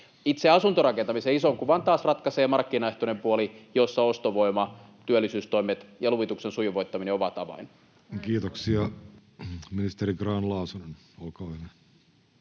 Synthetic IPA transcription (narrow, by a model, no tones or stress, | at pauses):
it̪seɑsunt̪orɑkent̪ɑmiseisoŋkuʋɑnt̪ɑːsrɑt̪kɑseːmɑrkːinɑeht̪onempuolijosːɑost̪oʋoimɑ | t̪yølːˑisyːst̪o̞imet̪jɑluʋit̪uksensujuʋoit̪ːɑmineoʋɑt̪ɑʋɑ̰in | kiːt̪oksiɑ | minist̪eɾiɡrɑːnlɑusunen | olkɑːʋenæ